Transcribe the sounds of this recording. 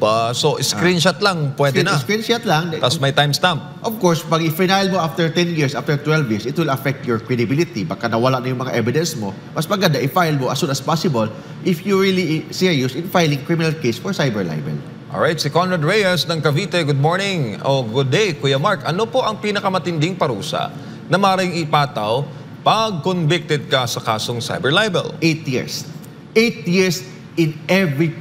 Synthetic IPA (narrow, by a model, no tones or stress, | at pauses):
basoʔɪskɾinʃɐt̪lɐŋpwɛd̪ɛnɐskinʃat̪laŋt̪ɐsmɐjt̪ajmst̪amp̚ | ʔɔvkɔɹspɐɡɪfinajlmoʔaft̪ɛɹt̪ɛnjiɹsʔaft̪ɛɹt̪wɛlvjɪɹsɪt̪wɪlɐfɛk̚t̪jɔɹkɹɛd̪ɪbɪlɪt̪ibɐkanɐwɐlaʔnɐjʊŋmɐŋaʔɛvɪd̪ɛ̃nsmo | mɐsmɐɡɐnd̪aʔɪfajlmoʔɐsunɐspasɪbol | ʔɪfjuɹilisiɹjʊsɪ̃nfajlɪŋkɹimɪnalkejsfɔɹsajbɛɹla̰jbɛ̰l | ʔo̰ɹʔajt̪sɪkɔnɹɐd̪ɹejɐsnɐŋkɐviːt̪ɛɡʊd̪̚moɹnɪŋʔoɡʊd̪ːejkujɐmaɹkʔɐnopo̞ʔɐŋpiːnɐkɐmɐt̪ɪnd̪ɪŋpɐɾṵːsɐ̰ | nɐmɐʔɾaɪŋɪpaːt̪ɐw | pɐɡ̚konvɪk̚t̪ɛd̪̚kɐsɐkaːsoŋsa̰jbɛɹlajbɛ̰lʔejt̪jḭɹs | ʔejt̪̚jiɹs | ɪnʔɛvɹi